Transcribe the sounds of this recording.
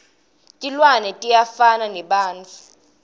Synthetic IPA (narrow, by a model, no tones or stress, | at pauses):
tʼilwanɛtʼijafananɛɓaːnt͡fʰu